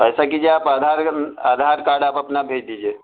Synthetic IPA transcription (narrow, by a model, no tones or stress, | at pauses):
əjsakid͡ʒeaːpaːd̪ʱaɾaːd̪ʱaɾkaːɖaːpɐpnabʱeːd͡ʒd̪id͡ʒie